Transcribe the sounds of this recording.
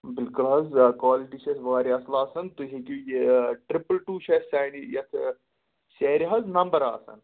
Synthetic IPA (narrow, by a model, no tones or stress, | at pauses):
bɪlkʊlɦɐzkaːliʈit͡ʃʰɐsʋɐʋaːɾiɐslaːsɐnt̪uɦekujeʈɾipəlʈuːt͡ʃʰɐsaːjnijɐt̪ʰ | ʃeːɾiɦɐznɐmbɐɾa̰ːsɐ̰n